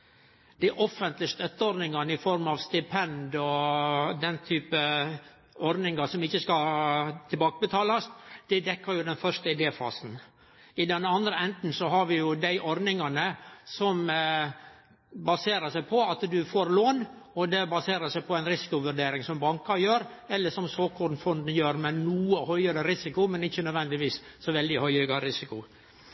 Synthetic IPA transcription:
d̪̥æʔɔfːənt̪lɪəst̪œt̪ːəɔɾnɪŋɑnəɪfɔɾmɑʋst̪ɪpʰɛnd̪ɔd̪ɛnt̪ʰyːpə | ɔɾnɪŋɑsɔmɪçːəskɑt̪ʰɪlbɑːkəbət̪ʰɑːlɑsd̪̥ɛd̪ɛkːəɾjʊd̪ɛnfœʂt̪əɪd̪eːfɑ̰ːsn̩ | ɪd̪ɛnɑnd̪ɾəɛnt̪n̩sɔɦɑɾʋɪjʊd̪æɪʔɔɾd̪nɪŋɑnəsɔm | bɑseːɾəʂæɪpʰɔɑt̪d̪ʉfoːɾloːnɔd̪ɛbɑseːɾəsæɪpʰɔæɪnɾɪsɪ̥kʊʋʉɾɖ̪eːɾɪŋsɔmbɑŋkɑɾjøːɾ | ɛlːəʂɔmsoːkɔnfɔnd̪n̩jøːɾmɛnuːəhœʏəɾəɾɪsɪkʊmɛnɪçːənœd̪ʋɛnd̪ɪʋiːsːɔʋɛld̪ɪhœʏəɡɑɾɪsɪkʊ

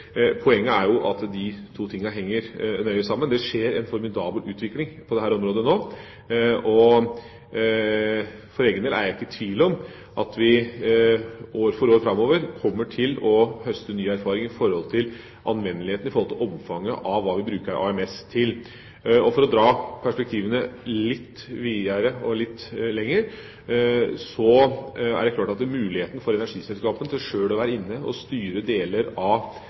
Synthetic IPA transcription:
pʰɔɛŋːəæɾjʊʔɑt̪d̪ɪt̪ʰuːt̪ʰɪŋːɑɦɛŋːəɾnœʏəsɑmːənd̪ɛʂeːɾɛnfɔɾmɪd̪ɑːbəlʉːt̪ʋɪklɪŋpʰɔd̪ɛɦæːɾɔmɾoːd̪ənoː | ʔɔ | fɔɾeːɡəneːlæ̰ɾɪkːət̪ʰʋiːləɔm | ʔɑt̪ʋɪ | ʔoːɾfɔɾoːɾfɾɑmːoːʋəɾkʰɔmːəʈʰɪlɔhœst̪ənyːæɾfɑːɾɪŋɪfɔɾhɔlt̪ʰɪl | ʔɑ̰nʋɛnːəlɪeːt̪nɪfɔɾhɔlt̪ʰɪlɔmfɑŋːəʔɑʋːɑːʋɪbɾʉːkəɾʔɑ̰ɛmɛst̪ʰɪl | ɔfɔɾɔd̪ɾɑːpʰæʂpɛk̚t̪ʰiːʋənəlɪt̪ː | ʋiːəɾəɔlɪt̪ːlɛŋːəɾ | sɔæ̰ɖɛkʰlɑːʈɑt̪mʉːlɪheːt̪ənfɔɾɛnæʂiːsɛlskɑːpənʂøːlɔʋæːɾəɪnːəɔ̰st̪yːɾəd̪eːləɾɑʋ

